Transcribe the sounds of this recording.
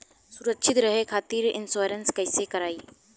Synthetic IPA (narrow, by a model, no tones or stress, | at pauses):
sʊɾəkʃʰɪt̪ɾəɦekʰaːt̪iːɾɪ̰nsoːɾənskəɪsekɐɾaːiː